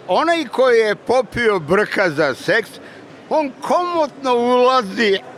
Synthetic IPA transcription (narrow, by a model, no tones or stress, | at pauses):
onajkojijepopiobr̩kazaseks | oːnkʰomot̪noulazi